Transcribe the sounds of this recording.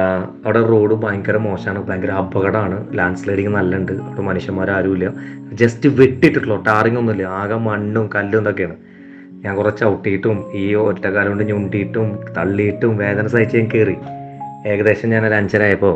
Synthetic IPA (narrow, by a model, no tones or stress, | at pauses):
ɐʋɐɽeroːɽubaːŋkɐɾemo̞ːɕaːɳɨbaːŋɡɐɾɐbːɐɣɐɽɐmaːɳɨlaːɳsleːɽiŋːɨnɐlːɐɳɖɨɐʋɐɽemɐnuɕjɐmoːɾaːɾuʋilːjɐ | d͡ʑestɨʋeʈːijʈːuʈːuɭoʈːaːriŋːonːilːɐaːɣɐmɐɳɖumkɐlːund̪okːejaːɳɨ | ɲaːŋkurɐt͡ɕːɐwuʈːijiʈːumiːoɾtːekaːlɐoɳɖɨɲuɳɖijiʈːumt̪ɐɭːijiʈːumʋe̞ːðɐnɐs̬aːjit͡ɕːɨenikːeri | e̞ːɣɐðe̞ːɕɐmɲaːnɐlɐɲt͡ɕɐɾaːjɐpːo̞ː